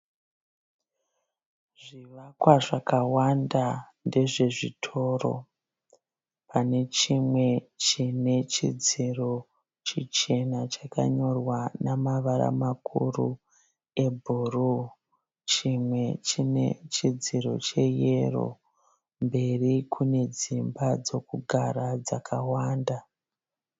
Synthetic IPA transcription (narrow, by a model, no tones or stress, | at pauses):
ʐiʋakwaʐakawanda | nde̞ʐe̞ʐḭtʰo̞ro̞̰ | pʰane̞t͡ʃimwe̞t͡ʃine̞t͡ʃid͡ziro̞ | t͡ʃit͡ʃe̞nat͡ʃaka̰ɲo̞rwanamaʋaɾa̰makʰṵrṵ | e̞bʱuru | t͡ʃimwe̞t͡ʃine̞̰t͡ʃid͡ziro̞̰t͡ʃe̞je̞ro̞̰ | mbe̞rikʰune̞d͡zimbad͡zo̞kuɡʱaɾad͡zakʰawaːnda